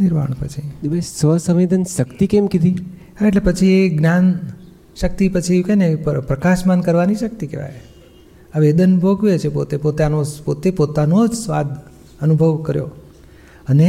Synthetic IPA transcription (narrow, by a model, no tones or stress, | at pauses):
nɪɾma̰ɳ̃pə̰t͡ʃʰid̪ibʱajsʋəsəʋed̪ənʃəkt̪ikemkid̪i | ɦaeʈlepət͡ʃʰieɡnjan | ʃək̚t̪ipət͡ʃʰiʋikajnepəpɾəkaʃmankəɾʋaniʃək̚t̪ikḛʋa̰j | aʋed̪ənbʱoɡʋet͡ʃʰepot̪epot̪anopot̪epot̪anod͡ʒsʋa̰d̪ʱ | ənubʱəʋkəɾjo̰ | əne